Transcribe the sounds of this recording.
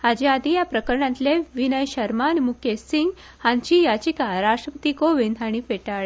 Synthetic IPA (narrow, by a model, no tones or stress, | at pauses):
had͡ʑead̪ʱijapɾəkəɾɳãnt̪leʋinəjɕəɾmanmukʰesiŋɡ | hãnt͡ɕijat͡ɕikaɾasʈɾəpət̪ikoʋend̪ʱaɽ̃ifeʈaɭ